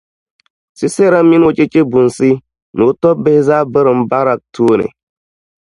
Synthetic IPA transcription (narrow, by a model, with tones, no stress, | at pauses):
si˦se˦ɾa˦mi˦no˦t͡ʃʼe˦t͡ʃʼe˦bu˨nsi˦ | nu˨˦tɔ˦be˦hza˦bə˦ɾə˨mba˦ɾa˦k̚tʰu˦nḛ˨